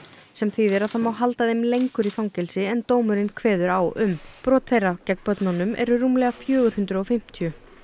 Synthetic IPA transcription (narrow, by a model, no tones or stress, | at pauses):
sɛmθiðɛɾaðθamawɦalt̪aðɪmlejŋkʏɾiθawŋcɛlsɪɛnt̪oːwmʏɾɪnkʰvɛːðʏɾawʏmpɾɔːt̪θejrːacɛkpœt̪nanʏmʔɛ̰ɾʏruːmlɛːɣafjœːɣʏɾ̥hʏnt̪ɾʏɔfɪm̥t̪ʰijʏ